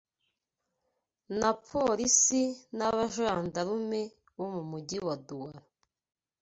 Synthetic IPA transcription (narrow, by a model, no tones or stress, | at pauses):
napʰoɾisinaβaʒaːndaɾume | βomumuɟiwaduwaɾa